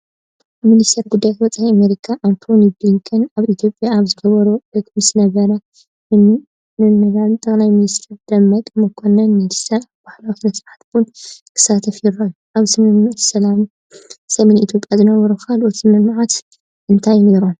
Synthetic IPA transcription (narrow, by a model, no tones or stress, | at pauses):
minist̪ʰɐɾɡud̪ːajat̪wɔt͡sʼaiameɾikʰaʔant̪ʰo̞nibliŋkʰɨnaβit̪ʰjopʼjaːβzɨɡɐβɐɾuɐkmɨsnɐβɐɾɐ | ɨ | mɨnɨβalt̪ʼːɐkʼlajminist̪ʰiɾd̪ɐmːɐk̪ʼmɨkʰːonɐnminist̪ʰɐɾaβbaħlawit̪mɐsħat̪bunkʰɨ̥sat̪ʰɐfjɪɾɐluʔaβsɐmɨsɐlam | sɐmenit̪ʰjopʼjazɨnɐβɐɾukʰalʔut̪mɨmʕat̪ | ʔɨnt̪ʰajneɾu